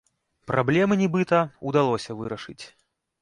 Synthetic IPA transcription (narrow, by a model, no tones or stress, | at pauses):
pɾʔablʲɛmɨnʲibɨt̪ɐud̪alˠɔsʲɐvɨ̰ɾɐʂɨt͡sʲ